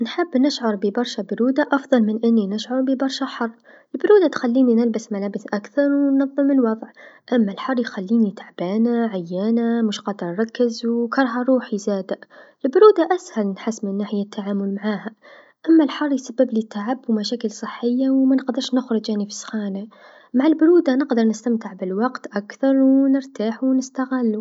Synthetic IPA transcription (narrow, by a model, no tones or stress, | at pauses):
nħɪbːnɪʃʕʊɾˤbɪbɑɾˤʃabʊɾuːd̪aʔɑfðˤɑlmɪnʔɪnːinɪʃʕʊɾˤbibɑɾˤʃaħɑrˤː | ɪlbʊɾuːd̪at̪xalːiːninɪlbɪsmalaːbɪsʔakθɑɾˤwnɑðˤːɨmːɪnwɑðˤʕʔamːalħɑrˤːjxalːiːnit̪aʕbaːnaʕajːaːnamʊʃqɑd̪ɾˤɾˤɑkːɪzwkɑɾˤɦɑɾˤuːħizaːd̪aʔ | lbʊɾuːd̪aʔæshælnħɪsːmɪnnːaːħɪjat̪ʰːaʕaːmʊlmaʕaːha | ʔamːalħɑrˤːjsabːɪblit̪ʰːaʕabːumæʃæːkɪlsˤɨħːɪjːawmænəqd̪əɾˤʃnʊxɾˤʊd͡ʒaʕnifi̥sxaːna | maʕalbʊɾuːd̪anɪqd̪ɑɾˤnɪst̪amt̪ɪʕbɪlwɑqt̪ʔakθɑɾˤwnəɾt̪aːħuwnɪst̪aɣɪlːu